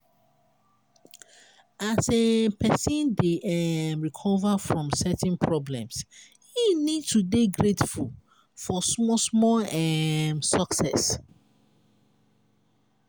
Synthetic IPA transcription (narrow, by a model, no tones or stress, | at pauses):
asepʰɛsĩndeʔɛmɹikʰɔvafɹɔ̃msɛtnpʰɹɔblɛ̃ms | hinid̚tudeɡɹetful | fɔsɔsmɔlɛmsɔksɛs